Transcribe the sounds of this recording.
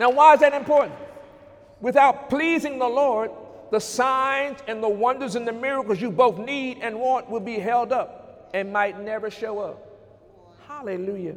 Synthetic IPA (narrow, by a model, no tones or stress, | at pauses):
naʊwaɪɨzðɨɾɨ̃mpʰɔɹʔn̩t̚ | wɨθaʊt̚pʰl̥izɪ̃ŋðəlɔɹd̪̚ | ðəsãɪ̃nzɨ̃nðəwʌ̃ndə˞zɨ̃nðɨmɪɹɨkl̩ˠzjɨboʊθniɾɨ̃nwɑ̃nʔwəlˠbiɦɛlˠdʌp̚ | ɨ̃nmaɪtⁿnɛvə˞ʃoʊʌp̚ | halˠɨlujɨ